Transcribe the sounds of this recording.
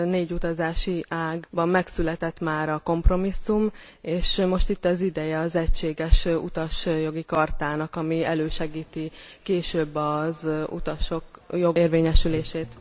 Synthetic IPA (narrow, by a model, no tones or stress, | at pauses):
neːɟut̪ɒzaːʃiʔaːɡbɒmːɛksylɛt̪ɛt̪maːɾɒko̞mpro̞misːum | eːʃmo̞ʃt̪it̪ːɒzid̪ɛjɛɒzɛct͡ʃːeːɡɛʃṵt̪ɒʃjo̞ɡikɒrt̪aːnɒkɒmiɛløːʃɛɡiːt̪ikeːʃøːbːɒzṵt̪ɒʃokjoeːrveːɲɛʃyleːʃeːt̪